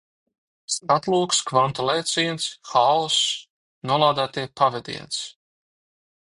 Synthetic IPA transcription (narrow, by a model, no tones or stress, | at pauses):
st̪at̪lˠuːkskvant̪ɔlˠɛjt̪siɛnt̪sxaos | nuɔlˠaːd̪æːt̪iɛpavɛd̪ḭɛns